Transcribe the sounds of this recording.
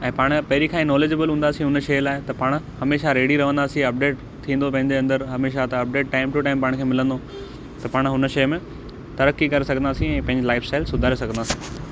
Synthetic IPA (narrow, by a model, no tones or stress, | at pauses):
ɛ̃ːpaːɽ̃pɐɦɪɾikʰãːĩnɔːleːd͡ʑəbəlɦũːn̆d̪aːsĩɦʊnʃɐːlaːɪt̪ɐpaːɽ̃ | hɐmeːʃaɾeːɽiɾɐʋ̤ə̃nd̪aːsĩɐp̚ɖeːʈ̚ | t̪ʰĩːn̆d̪opɐ̃ɦɪ̃ɲd͡ʑeɐ̃nd̪əɾɦɐmeːʃat̪ɐɐp̚ɖeːʈʈaːɪmʈʊʈaːɪmpaːɽ̃kʰeːmɪlə̃nd̪o | t̪ɐpaːɽ̃ɦʊnə̆ʃɐjmẽ | t̪ɐɾəkːikɐɾesɐɡʱə̃nd̪aːsĩɛ̃ːpɐ̃ɦɪ̃ɲd͡ʑlaːɪfsʈaːɪlsʊd̪ʱaːɾesɐɡʱə̃nd̪aːsĩ̥ː